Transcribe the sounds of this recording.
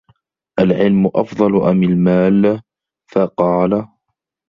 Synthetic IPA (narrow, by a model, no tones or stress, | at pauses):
ʔalʕɪlmʊʔɑ̰fd̪ˤɑlʊʔamɪlmaːl | fɑqɑːla